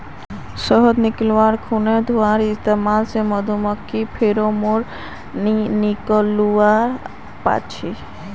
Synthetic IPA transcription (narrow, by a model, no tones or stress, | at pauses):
səɦɔd̪niklʋaɾkʰuned̪ʱuaɾist̪emalseməd̪ʱumɔkːipʰeɾomoɾ | niniklua | pa̰t͡ʃʰi